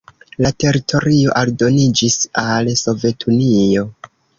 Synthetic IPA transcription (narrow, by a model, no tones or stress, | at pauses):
late̞ɾitʰo̞ɾio̞ʔaldo̞nid͡ʒisalso̞ve̞tʰunio̞